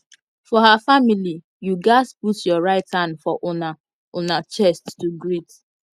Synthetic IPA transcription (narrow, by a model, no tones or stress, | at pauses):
fɔɦafamili | juɡaɪzputjɔɹaɪtãnfɔʔʊna | ʊnat͡ʃɛstːuɡɾit